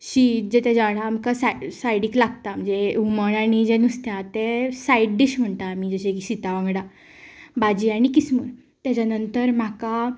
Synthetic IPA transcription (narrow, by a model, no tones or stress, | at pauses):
ɕid͡ʑet̪ad͡ʑaɽaːmkasasajɽiklaɡt̪am̤əd͡zeuməɳaɽ̃id͡ʑenust̪jat̪esajɽɖiɕm̤əɳt̪aːmid͡zəɕekiɕit̪aʋãŋɡɽa | bad͡ʑiːaɽ̃ikismṵɾ | t̪jat͡ɕanənt̪əɾm̤aka